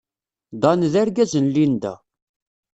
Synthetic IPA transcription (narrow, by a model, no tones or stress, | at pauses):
d̪ˤɑnðæɾɡæzənlind̪æ̰